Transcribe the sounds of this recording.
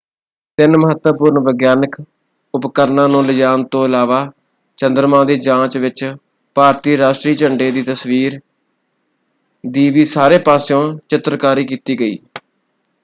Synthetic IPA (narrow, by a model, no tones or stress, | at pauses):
t̪ɪnməɦət̪əpʊɾnʋəɡjaːnək | ʊpkəɾnãːnũːləd͡ʒaːnt̪õːəlaːʋaː | t͡ʃə̃nd̪əɾmãːd̪iːd͡ʒãːt͡ʃʋɪt͡ʃ | paːɾt̪iːɾaːʃʈɾiːt͡ʃəɳɖeːd̪iːt̪əsʋiːɾ | d̪iːʋiːsaːɾeːpaːsjõːt͡ʃɪt̪ɾkaːɾiːkiːt̪iːɡəḭː